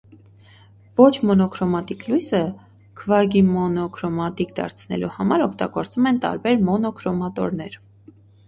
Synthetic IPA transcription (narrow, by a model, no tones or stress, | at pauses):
vɔt͡ʃʰmɔnɔkʰɾɔmɑt̪iklujsə | kʰəvɑɡimɔnɔkʰɾɔmɑt̪ikd̪ɑ̰ɾt͡sʰnɛ̰luhɑmɑɾɔkʰt̪ɑ̰ɡɔɾt͡sumɛnt̪ɑ̰ɾbɛɾmɔnɔkʰɾɔmɑt̪ɔ̰ɾnɛɾ